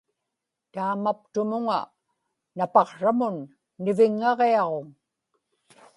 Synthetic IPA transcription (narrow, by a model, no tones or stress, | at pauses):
t̪aːmap̚t̪ʊmʊŋa̰ | napɑqʂamʊnː | ɪvɪŋːɑʁeɑʁo̞ŋ